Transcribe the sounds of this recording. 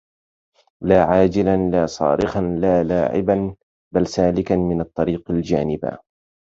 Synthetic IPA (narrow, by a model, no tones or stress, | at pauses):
laːʕaːd͡ʒɪlanlaːsˤɑ̰ːɾɪxanlaːlaːʕɪ̰ban | balsaːlɪkanmɪnɑt̪ˤːɑɾiːqald͡ʒaːnɪba̰